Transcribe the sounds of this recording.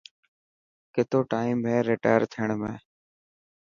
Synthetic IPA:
kɪt̪oːʈaːiːmɦẽːɾeːʈa̰ːəɾt̪ʰɪjəɳmḛ̃ː

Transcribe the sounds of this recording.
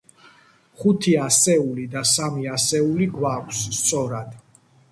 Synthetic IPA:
χut̪ʰiasɛulid̪asamiasɛuliɡwakʷʰsːt̪sʼɔɾad̪̥

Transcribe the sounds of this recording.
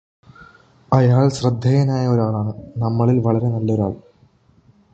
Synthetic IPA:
ɐjaːɭɕrɐd̪ʱːɐjɐnaːjɐoɾaːɭaːɳɨnɐmːɐɭilʋɐɭɐɾe̞nɐlːɐo̞ɾa̰ːɭ

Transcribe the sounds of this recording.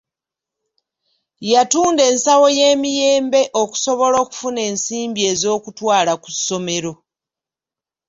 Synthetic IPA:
jatuːnde̞ːnsawo̞je̞ːmije̞ːmbe̞ʔo̞ku̥so̞βo̞lo̞ːku̥fune̞ːnsiːmbie̞ːzo̞ːkutwaːlaku̥so̞me̞ɾo̞

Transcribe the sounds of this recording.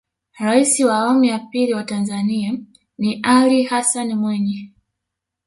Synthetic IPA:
ɾaisiwaːamijapiliwatanzania | niʔalihasanmwɛɲɛ

